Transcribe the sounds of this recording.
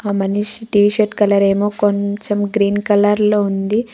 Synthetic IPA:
aːmɐniʃiʈiːʃɐɾʈkɐlɐɾeːmoːkoɲt͡ʃemɡɾiːnkɐlɐɾloːund̪i

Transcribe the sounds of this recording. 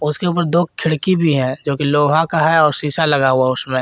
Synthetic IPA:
ʊskeuːpəɾd̪oːk̚kʰɪɽkibʱiɦɛ̃d͡ʒoːkiloːɦãkaɦɛɔːɾsiːsalɐɡaɦuaʊsmẽ

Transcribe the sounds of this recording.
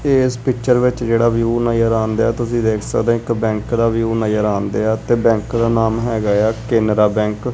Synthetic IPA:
eːspɪkt͡ʃəɾʋɪt͡ʃd͡ʒeːɽaːʋjuːnaːjəɾaːnd̪aːɛːt̪ʊsĩːd̪eːkʰsəkd̪ẽːɪkbɛ̃ːŋkd̪aːʋjuːnaːjəɾãːnd̪eːɛːt̪eːbɛ̃ːŋkd̪aːnaːmɦɛːɡaːjaːkeːnɾaːbɛ̃ːŋk

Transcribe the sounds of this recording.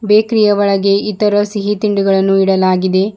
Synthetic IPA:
beːkɾijɐʋɐɭɐɡeit̪ɐɾɐsiɦit̪iɳɖuɡɐɭɐnːuiɽɐlaːɡid̪e̞

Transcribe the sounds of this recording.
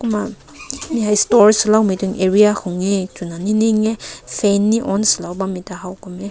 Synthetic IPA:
kuma | mihajstɔɹisilawmituŋeɹijaxuŋetunaniniŋɛfʰɛnːiʔɔnsilawbamitahawkumɛ

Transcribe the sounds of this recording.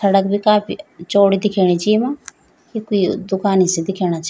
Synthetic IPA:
səɽək̚bʱikaːpʰit͡ʃoːɽid̪ɪkʰeːɽ̃it͡ʃimãː | kikoid̪ʊkaːnised̪ɪkʰeːɽ̃aːt͡ʃ

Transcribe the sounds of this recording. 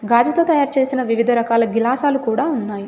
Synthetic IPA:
ɡaːd͡ʒɐt̪o̞ːt̪ɐjaːɾt͡ʃe̞ːsinɐʋiʋid̪ʱɐɾɐkaːlɐɡilaːsaːlukuːɽaːunːaːji

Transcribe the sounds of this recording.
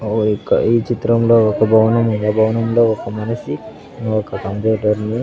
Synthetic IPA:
okːɐ̰iːt͡ʃit̪ɾɐmlo̞ːɔkɐbʱɐwɐnɐmund̪aːbʱɐwɐnɐmlo̞ːɔkɐmɐnɐsi | ɔkɐkɐnd̪eːɖɐɾni

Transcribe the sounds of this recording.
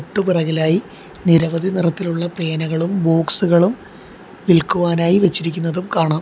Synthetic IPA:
ʈːupirɐɣɐlaːji | niɾɐʋɐd̪ʱinirɐt̪ːiluɭːɐpreːnɐɣɐɭumbo̞ːksuɣɐɭum | ʋilkuʋaːnaːjiʋet͡ɕːiɾikʲːunːɐðumkaːɳaːm

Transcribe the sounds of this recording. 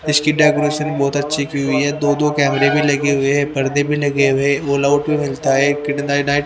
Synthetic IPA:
ɪskiɖaːkɾoːʃənbɔːt̪ɐtːʃʰikiɦʊiɦɛd̪oːd̪oːkɛːmɾebʱilɐɡeɦʊeɦɛpɐɾd̪ẽbʱilɐɡeɦʊeoːlaːʊʈbʱimɪlt̪aɦɛkɪɖnaːɪʈnaːɪʈ

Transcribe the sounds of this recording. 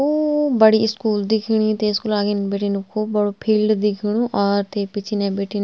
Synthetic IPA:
oːbəɽiːɪskuːld̪ɪkʰɽ̃iːt̪eːɪskuːlaːɡenbeːʈiːnʊkʰːoːbəɽoːpʰilɖd̪ɪkʰɽ̃õːʔɔːɾt̪eːpɪt͡ʃʰinɛ̃ːbeːʈin

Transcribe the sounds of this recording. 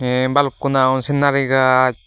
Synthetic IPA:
ɛbalkunaɔnsinːaɾiɡa

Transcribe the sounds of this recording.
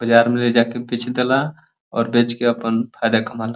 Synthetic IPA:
bəd͡ʒaɾmeled͡ʒakebet͡ʃʰd̪ela | ɔ̰ːɾbet͡ʃkeəpənpʰad̪akəmala

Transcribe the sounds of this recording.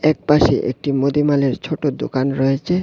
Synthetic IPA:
ɛk̚paʃḛʔḛk̚ʈimod̪imaleɾt͡ɕʰoʈod̪o̰kanɾɔet͡ɕʰe

